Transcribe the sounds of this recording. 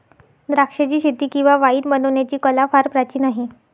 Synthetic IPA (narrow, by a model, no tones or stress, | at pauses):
ɾakʂet͡ɕiːɕit̪ːiːkĩw̃ʋaʋaiːd̪mənoʋɳjat͡ɕiːkəlafaɾpɾat͡ɕiːnaɦi